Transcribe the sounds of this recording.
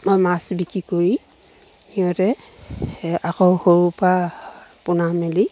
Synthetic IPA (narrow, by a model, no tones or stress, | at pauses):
mojmasbikikoɹi | iɔtɛ | akɔwxoɹupapʊnamɛli